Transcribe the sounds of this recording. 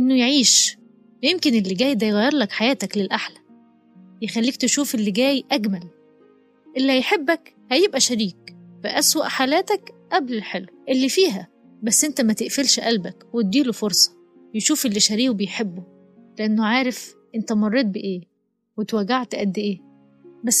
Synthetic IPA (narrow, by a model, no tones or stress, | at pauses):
ʔɪnːʊjʕiːʃ | jemkenelːeɡæːjd̪æjɣæjːeɾˤlækħajæːt̪æklelʔaħlæ̥ | jexælːiːk̚t̪eʃuːfelːiɡæːjʔæɡmæl | ʔelːihæjħebːæk | hæjebʔæʃæɾiːkfɪʔæswæʔħalæːt̪ækʔæblelħelwʔelːifiːɦæ | bæsːʔent̪æmæt̪eʔfelʃʔælbækwet̪̚d̪iːlofoɾsˤɑ̥ | jeʃuːfelːiʃæɾiːʔbejħebːo | leʔænːoʕaːɾefʔent̪æmɑrˤːeːt̪̚beʔeː | wet̪wæɡaʕt̪ʔæd̪ːʔeː | bæsː